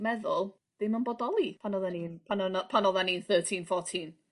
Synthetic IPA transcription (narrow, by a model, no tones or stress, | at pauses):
mɛðʊlˠ | d̥emanbɔdɔlˠipʰanɔðaninpʰanɔnpʰanɔðaninθəːtʰinfɔːtʰin